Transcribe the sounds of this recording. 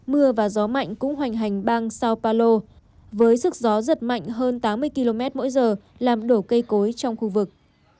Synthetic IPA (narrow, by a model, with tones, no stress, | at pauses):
mɨ˧əvaː˨˩zɔ˨˦ma̰˧˨jŋ̟kʊ̰˧˥ŋ͡mɦwa˨˩jŋ̟ɦa˨˩jŋ̟ɓaː˧ŋsaː˧wpaː˧lo˧ | vəː˨˦jsɨ˦˥k̚zɔ˨˦zə˨˩t̚ma̰˧˨jŋ̟ɦəː˧nt̪aː˨˦mːɨ˧əjki˧lo˧mɛ˦˥t̚mo̰˧˥jzəː˨˩ | laː˨˩mɗo˧˩kə˧jko˨˦jt͡ɕɔ˧wŋ͡mxu˧vɨ˨˩k̚